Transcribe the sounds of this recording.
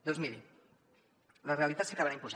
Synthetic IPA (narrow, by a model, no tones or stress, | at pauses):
d̪ozmil | larealit̪at̪seakaβanaimpuza